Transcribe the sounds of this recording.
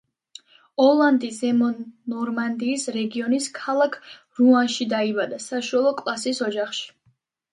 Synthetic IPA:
ɔlˠand̪izɛmɔnɔɾmand̪iːsɾɛɡiɔniskʰalˠakʰ | ɾuanʃid̪aibad̪asaʃualˠɔkʼlˠasisɔd͡ʒaχʃi̥

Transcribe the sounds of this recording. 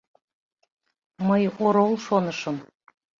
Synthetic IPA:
məjoɾolˠʃonəʃəm

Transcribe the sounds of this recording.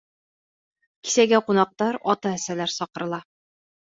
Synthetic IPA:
ki̥sæɡæqunɑq̚t̪ɑɾɒt̪ɑæsælæɾsɒqɤ̆ɾɤ̆lˠɑ

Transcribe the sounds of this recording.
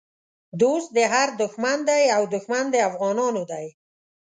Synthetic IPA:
d̪ost̪̚d̪əɦaɾd̪ʊxmand̪ajawd̪ʊxmand̪əafɣɑnɑnod̪aj

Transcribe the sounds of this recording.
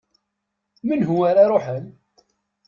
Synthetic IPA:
mənɦʊaɾaɾˤoħən

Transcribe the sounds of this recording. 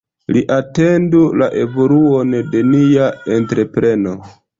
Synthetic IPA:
liʔate̞ndula̰ʔe̞vo̞luo̞nde̞niaentɾe̞pɾe̞no̞

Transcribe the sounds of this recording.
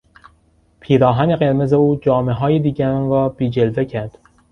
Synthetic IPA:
pʰiːɾɒːɦæne̞ɣeɾme̞zeuːd͡ʒɒːme̞ɦɒːjed̪iːɟæɾɒnɾɒːb̥iːd͡ʒe̞lve̞cʰæɾd̪̥

